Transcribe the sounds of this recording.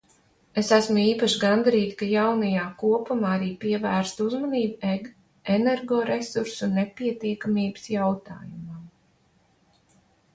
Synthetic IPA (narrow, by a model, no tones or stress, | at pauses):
esæsmuiːpaʃɡand̪aɾiːt̪i̥kajawnajaːkuɔpumaːaɾiːpiɛvæːɾst̪uzmɔniːbueɡ | enɛɾɡɔːɾesuɾsunepʲiɛt̪iɛkamiːbɨ̥sjawt̪a̰ːjumam